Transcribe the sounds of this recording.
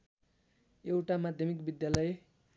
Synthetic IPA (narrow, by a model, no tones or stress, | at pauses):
ewʈamad̪ʱjʌmikbid̪jalʌje